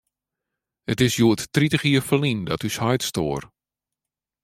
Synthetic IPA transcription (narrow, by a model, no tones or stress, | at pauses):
ətɪsjuəttritəɣiəfəlindɔtyshœjtstoːr